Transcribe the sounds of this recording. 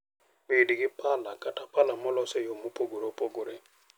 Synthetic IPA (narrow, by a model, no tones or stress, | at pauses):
mediɡɪpalakatapalamɔlɔsɛjomopoɡoɾopoɡoɾe